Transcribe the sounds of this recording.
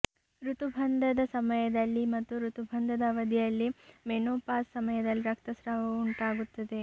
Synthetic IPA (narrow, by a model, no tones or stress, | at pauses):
ɾut̪ubʱɐnd̪ɐd̪ɐsɐmɐjɐd̪ɐlːimɐt̪ːuɾut̪ubʱɐnd̪ʱɐd̪ɐʋɐd̪jɐjɐlːimenoːpaːsːɐmɐjɐd̪ɐlːiɾɐk̚t̪ɐsɾɐʋɐuuɳʈaːɡut̪ːɐd̪e̞